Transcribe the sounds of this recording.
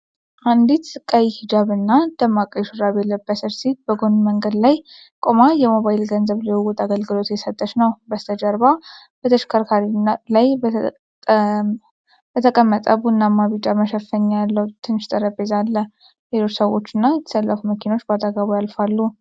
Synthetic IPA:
ʔand̪it̪sɨkʼːajihid͡ʒaβɨnːad̪̥əmːakʼəjʃuɾaβɛlːəbːəsəɾsit̪̚bəɡo̞nməŋɡəd̪laj | kʼo̞majɛmo̞βajlɡənzəβliuwut̪ʰʼaɡəlɡɨlo̞t̪jɛsət̪ʼːəʃnəwbəst̪ʰəd͡ʒəɾba | b̥ət̪ʰəʃkʰəɾkʰaɾilajb | b̥ət̪ʰəkʼəmːət̪ʼəβuɨnːamːaβit͡ʃʼaməʃɛfəɲːjalːəwut̪ʰɨnɨʃt̪ʼəɾəbezalːə | helot͡ʃːsəwo̞t͡ʃːɨnːajɛt̪ʰə̥səlːəfuməkʰino̞t͡ʃːbat̪ʼaɡaβujalfalːu

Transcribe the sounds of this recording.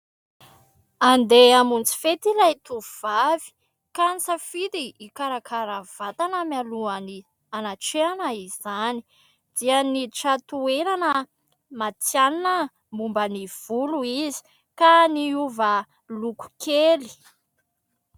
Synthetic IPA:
and̪eamunt͡si̥fet̪ilajt̪uvv̥avi̥ | kant͡safit̪iːkaɾakʰaɾav̥at̪anəmjaluani | anaʈ͡ʂeanəizani̥ | d̪̥ianiʈ͡ʂat̪ueɾanə | mat͡sjaninə | mumbəniv̥uluizi̥ | kaniuvə | luku̥kʰeli̥

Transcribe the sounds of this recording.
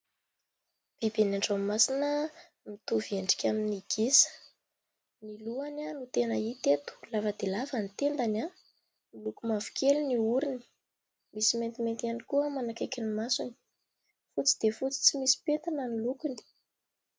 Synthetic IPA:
b̥ibenaɳɖ͡ʐamːasinə | mit̪uvieɳɖ͡ʐi̥kʲaminiɡ̥isə̥ | niluananut̪enəit̪et̪u̥lavəd̪elavənt̪end̪ana | nilukumavu̥kʰeluniuɾini̥ | misiment̪iment̪ianikuəmanakekʲinimasuni̥ | fut͡si̥d̪efut͡si̥t͡simisi̥pent̪anənilukuni̥

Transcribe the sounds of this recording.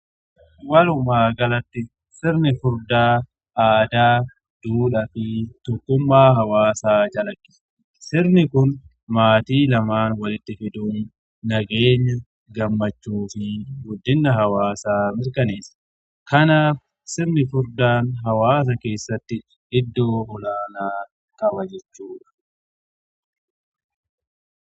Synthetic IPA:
wɐlʊmaːɡɐlɐt̪ːɪ | sɪɾnɪfʊɾd̪aː | aːd̪aː | d̪̥uːlɐfɪt̪ɔkːʊmːaːɦɐwaːsaːd͡ʒɐlɐkːɪ̥s | sɪɾnɪkʊn | maːt̪iːlɐmaːnwɐlɪt̪ːɪfɪd̪uːn | nɐɡeːɲːɐ | ɡɐmːɐt͡ʃːuːfɪɡʊd̪ːɪnːɐɦɐwaːsaːmɪɾkɐneːsɐ̥ | kɐnaːf | sɪbnɪfʊɾd̪aːnɦɐwaːs̬ɐke̞ːsːɐt̪ːɪ | ʔɪd̪ːo̞ːhɔlaːnaː | kʼɐbɐd͡ʒɛt͡ʃːuːᶑɐ̥

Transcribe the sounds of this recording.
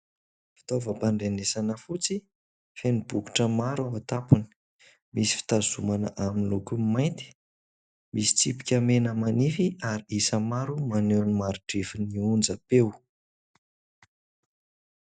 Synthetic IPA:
fi̥t̪ovəpaɳɖ͡ʐenesanəfut͡si | fenib̥uku̥ʈ͡ʂəmaɾawat̪apuni̥ | misi̥fi̥t̪azumanə̰ʔaminilukummajnt̪i̥ | misi̥t͡sipi̥kʲamenəmanifiaɾiisəmaɾumaneanimaɾiʈ͡ʂefiniund͡zəpew

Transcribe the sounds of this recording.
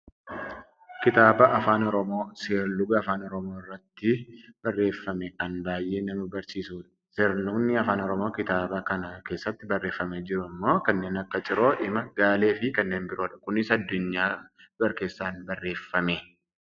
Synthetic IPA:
kɪt̪aːbɐʔɐfaːnɔɾɔmo̞ːseɾlʊɡɐɐfaːnɔɾɔmo̞ːɪrːɐt̪ːɪb̥ɐrːe̞ːfːɐmɛkɐnbaːjʔːe̞ːnɐmɐbɐɾsiːsuːᶑɐ̥ | seɾlʊɡnɪɐfaːnɔɾɔmo̞ːkɪt̪aːbɐkɐnɐke̞ːsːɐt̪ːɪbɐrːe̞ːfːɐmed͡ʒɪɾʊmːo̞ːkɐnːe̞ːnɐkːɐt͡ʃʼɪɾo̞ːʔɪmɐɡaːle̞ːfɪkɐnːe̞ːnbɪɾo̞ːᶑɐ̥kʊnɪsɐd̪ːʊɲːaːb̥ɐɾke̞ːsːaːnbɐrːe̞ːfːɐmeː

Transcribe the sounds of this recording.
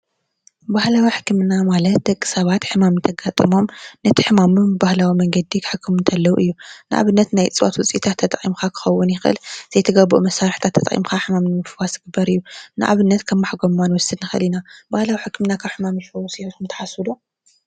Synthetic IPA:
bahlawiħɨ̥kːɨmɨnːamalɐt̪̚d̪ɐkʼːɨ̥sɐβat̪ħɨmamnt̪ʰɐɡat̪ʼɨmo̞mnɐt̪ʰi̥ħɨmamumbahlawimɐŋɡɐd̪ːikʰɨ̥ħɨkʰːɨmɨnt̪ʰɐlːɐwuʔɨjːunɨʔa̰βɨnːɐt̪najt͡sʼɨwa̰t̪wɔt͡sʼit̪ʰat̪ʰːɐt̪ʼχʼimkʰakʰɨ̥xɐwːʊnjɪxʔɨ̰lz̥ɐjt̪ʰɐɡɐbṵʔumɐsaɾħt̪ʰat̪ʰːɐt̪ʼḭmkʰaħɨmamnɨfɨwasɨɡɨbːɐɾɨjːunɨʔa̰βɨnːɐt̪kʰɐmːaħɡommanwɔsɨd̪nɨxɨɨ̰linabahlawiħɨkːɨmnakʰaβħɨmamɨlfɐwsiukumt̪ʰɐ̥ħasud̪o

